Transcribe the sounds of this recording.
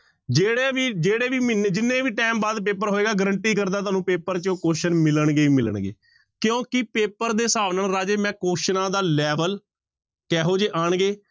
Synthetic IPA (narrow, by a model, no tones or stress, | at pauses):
d͡ʒeːɽeːʋiːd͡ʒeːɽeːʋiːmɪned͡ʒɪnːẽːʋiːʈɛːmbaːd̪p̬eːpəɾɦoːeːɡaːɡəɾəɳʈiːkəɾd̪aːt̪aːnũːpeːpəɾt͡ʃõkoːʃənmɪləɳɡeːmɪlə̰ɳɡḛː | kjõːkɪpeːpəɾd̪eːsaːʋnəlɾaːd͡ʒeːmɛ̃ːkoːʃnãːd̪aːlɛːʋəl | kɛːɦoːd͡ʒeːʔaːɳɡeː